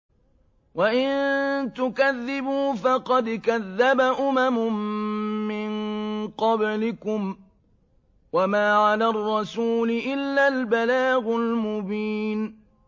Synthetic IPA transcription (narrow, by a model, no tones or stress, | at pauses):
waʔɪnt̪ʊkaðːɪbuːfɑqɑd̪kaðːabaʔʊmamʊmmːɪnqɑblɪkʊm | wamaːʕalaːrˤːɑsuːlɪʔɪlːalbalaːɣʊlmʊbiːn